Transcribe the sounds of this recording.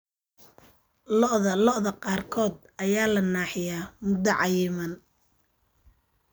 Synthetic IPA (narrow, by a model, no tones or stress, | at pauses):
lɔʔðɐlɔʔðɐqɑːrkʰɔːd̪ʔɐjaːlɐnaːħɪjaːmʊd̪ɐʕɑjɪmɐn